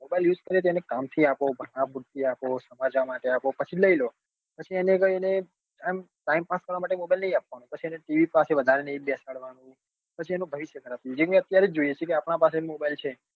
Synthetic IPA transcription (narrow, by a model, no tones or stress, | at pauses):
mobajljud͡ʒkəɾet̪̬oenekamt̪ʰiapobʱəɽ̃ãpuʈt̪ʰiaposəmad͡ʒʋamaʈeapopət͡ʃʰiləilo | pət͡ʃʰienekəiene | am | ʈaimpaskəɾʋamaʈ̬emobajlnəɦĩap̚ʋanũpət͡ʃʰieneʈiʋipaseʋəd̪ʱaɾenəĩbɛsaɭʋanũ | pət͡ʃʰienũbʱəʋiʃjəkəɾat̪iud͡ʒeũət̪jaɾed͡ʒoijet͡ʃʰekeapɳapas̬emobajlt͡ʃʰe